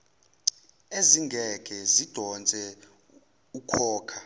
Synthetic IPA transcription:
eziŋɡʱɛɡ̥ʱʼɛzid̥ʱɔnt͡sʼɛ | ukʰɔːkʰa

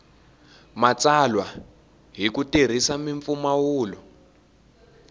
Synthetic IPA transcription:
mat͡salwa | ɦikuter̤isamiɱfumawuːlɔ

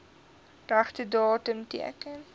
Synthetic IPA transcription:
ræχtədɑːtəmtḭəkən

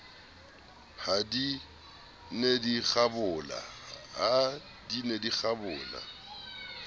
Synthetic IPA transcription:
hadi | nedik͡xabʊla̰ha | dinedik͡xabʊːla̰

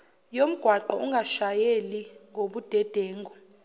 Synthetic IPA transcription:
jom̩ɡ̥ʱwaǃɔuŋɡʱaʃajeliŋoɓud̥ʱɛd̥ʱeːŋɡɔ

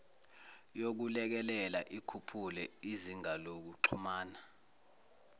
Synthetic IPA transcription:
jok̬ulɛk̬ɛlɛlaʔikʰupʰulɛiziŋalok̬uǁʰumaːna

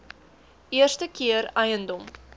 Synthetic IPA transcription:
iərst̪əkʰiəɾɐjənd̪om

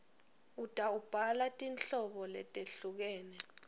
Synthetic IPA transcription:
utʼaub̥ʱalatʼinɬɔɓɔlɛtʼeɬuk̬ɛːnɛ

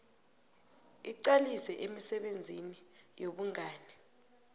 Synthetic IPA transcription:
iǀalisɛʔemisɛɓend͡zʱinijoɓuŋʱaːnɛ

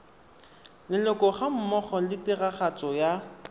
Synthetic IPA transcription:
lɪlɔkɔχam̩mɔχɔlɪtɪraχat͡sɔja

